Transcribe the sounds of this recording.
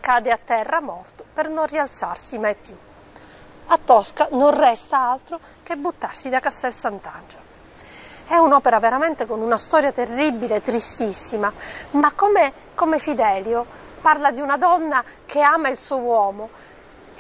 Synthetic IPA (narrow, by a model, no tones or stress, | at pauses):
kaːd̪eat̪ːɛrːamɔrt̪o̥pernonrialt̪sarsimajpju | at̪ːɔskanonrɛst̪aalt̪ɾo | kebːut̪ːarsid̪akast̪ɛlsant̪and͡ʒo | ɛunɔːpeɾaveɾamɛnt̪ekonunast̪ɔɾjat̪erːibːileɛt̪ːɾist̪isːimamakːome | komefid̪ɛːljo | parlad̪iunad̪ɔnːakʰeaːmailsuwɔːmo